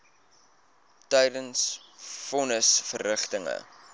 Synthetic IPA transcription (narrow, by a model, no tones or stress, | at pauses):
tɛjdəns | fɔnəsfərːəχtəŋə̰